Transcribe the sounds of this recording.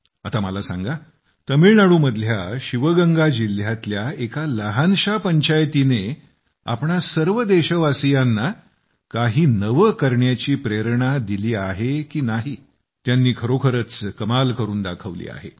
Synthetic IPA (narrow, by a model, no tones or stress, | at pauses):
at̪aməlasa̰ŋɡa | t̪əmiːɭnaɽuːməd̪ʱljaɕiʋəɡəŋɡad͡ʑiljat̪ljaekaləɦanɕapəɲt͡ɕajt̪ine | a̰pɳasəɾʋəd̪eɕəʋasijanːa | kaɦiːnəʋəkəɾɳjat͡ɕiːpɾeɾɳad̪iliːaɦekiːnaɦiː | t̪janːiːkʰəɾokʰəɾət͡skəmalkəɾuːnd̪akʰəʋlḭːa̰ɦḛ